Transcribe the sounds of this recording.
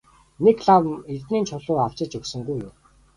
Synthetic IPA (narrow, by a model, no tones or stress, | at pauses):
nekɮawert̪niːnt͡ɕʰʊɮʊːaw̥t͡ɕɪ̆t͡ɕɵksɵ̆ŋɡujʊ̰m